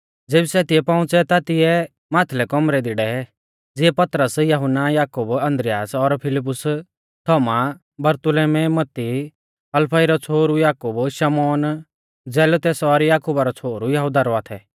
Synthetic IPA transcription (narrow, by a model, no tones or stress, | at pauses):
d͡zeːbisɛt̪ɪɛpãʊ̃t͡sɛt̪at̪ɪjɛ | maːt̪ʰlɛkɔmɾɛd̪ɪɽɛ | d͡zɪɛpɐt̪ɾəsjɐɦʊnːajaːkubɐ̃nd̪ɾɪjaːsɔɾpʰɪlɪp̬ːʊs | t̪ʰɔːma | bɐɾt̪ʊleːmɛmɐt̪ːi | ɐlpʰɐiɾɔt͡sʰoːɾujaːkubʃɐmɔːn | d͡zɛːlot̪ɛːsɔɾjaːkubaɾɔt͡sʰoːɾujɐɦud̪aɾɔat̪ʰɛ